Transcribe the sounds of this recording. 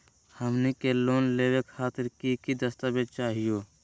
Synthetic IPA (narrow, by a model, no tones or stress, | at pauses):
həmnikeloːnleːwekʰaːt̪ɪɾkikid̪əst̪abed̪̚t͡ʃaːɦijoː